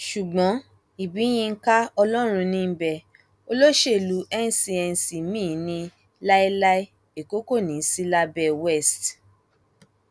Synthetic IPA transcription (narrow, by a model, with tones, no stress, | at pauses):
ʃu˨ɡ͡bɔ̃˨˦ | i˨bi˨˦j̃ĩ˧ŋ̩˦ka˦ɔ˧lɔ˦ɾ̃ũ˧nĩ˧m̩˦bɛ˨ | o˧lo˦ʃe˦˨lu˨˦ʔɛ˦n̩˨si˧ɛ˧n˨si˨mĩ˦˨nĩ˧ | la˦i˦la˦i˦ | e˨ko˦ko˦˨nĩ˨˦si˦la˦bɛ˧wɛ˦˨st